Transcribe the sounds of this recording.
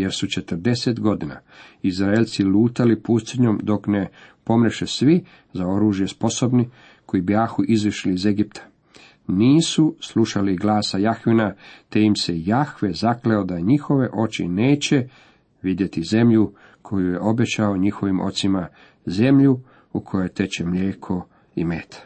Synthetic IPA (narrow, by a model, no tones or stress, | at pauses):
je̞ɾsut͡ʃe̞t̪əɾd̪e̞set̪ɡo̞d̪ina̰izɾaelt̪siluːt̪alipust̪iɲo̞md̪o̞kne̞po̞mɾeʃesʋi | zao̞ɾuːʒje̞spo̞so̞bni | ko̞ibjaːxuʔizʋiʃliːzeɡipt̪ʰḁ | niːsusluʃaliɡlaːsajaxʋinat̪ejimse̞jaxʋezakleod̪aɲixo̞ʋe̞ʔo̞t͡ɕḭneːt͡ɕe̞ | ʋid̪je̞t̪ize̞mʎu | kʰo̞juje̞ʔo̞be̞t͡ɕaoɲixo̞ʋimo̞̰t̪sima | ze̞mʎu | ukʰo̞jojt̪e̞t͡ɕemʎʲeːkʰo̞ | ḭmeːt̪ʰḁ